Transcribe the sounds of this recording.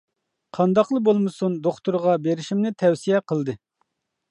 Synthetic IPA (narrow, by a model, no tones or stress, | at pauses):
qʰɑnd̪ɑqlˠəbolˠmɨsund̪oχt̪uɾʁɑbeɾiʃimnɪt̪ʰɛwsijɛqʰəlˠd̪ɨ